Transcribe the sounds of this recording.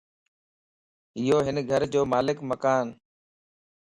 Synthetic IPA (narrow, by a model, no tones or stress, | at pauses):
ɪɦoːɦɪnɡʱəɾd͡ʑoːmaːlɪkməkaːn